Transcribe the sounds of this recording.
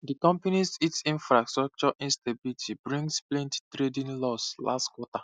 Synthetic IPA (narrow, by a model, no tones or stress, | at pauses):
dikɔ̃mpanisitsĩnfɹastɹɔk̚t͡ʃɔʔĩnstabilitʰibɹĩŋɡsplɛ̃nttɹedĩnlɔslʔa̰stkwɔta